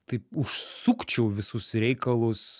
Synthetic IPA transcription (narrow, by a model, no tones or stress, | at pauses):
t̪ɐɪʊʃsukt͡ʃʲɛʊʋʲɪsʊsɾʲɛɪkɐlˠʊs